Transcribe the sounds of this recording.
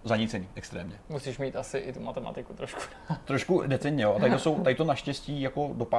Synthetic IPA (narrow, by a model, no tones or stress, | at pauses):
zaɲɪt͡sɛɲiːʔɛkst̪ɾɛːmɲɛmusiːʃmiːt̪ʔasɪʔɪt̪umat̪ɛma̰t̪ɪkut̪ɾoʃku̥ | t̪ɾoʃkudɛt͡sɛnɲɛjoat̪aɾɪt̪oso̞wt̪aɾɪt̪onaʃcɛsciːjako̞do̞pa